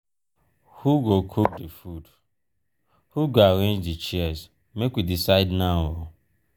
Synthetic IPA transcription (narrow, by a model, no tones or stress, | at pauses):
huɡokʰuk̚difud | huɡaɾẽnd͡ʒit͡ʃiɛz | mekʷwidisaɪdnawo